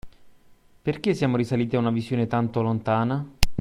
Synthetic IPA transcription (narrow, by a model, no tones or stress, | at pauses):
perk̟esːjaːmoɾisaliːt̪iaunavizjoːnet̪ant̪olont̪aːna